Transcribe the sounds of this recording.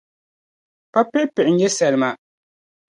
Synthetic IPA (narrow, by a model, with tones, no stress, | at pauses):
pa˦pɛ˦pɛ˨ʔɲ̩˦ɲɛ˦sɛ˨lma˨ʔ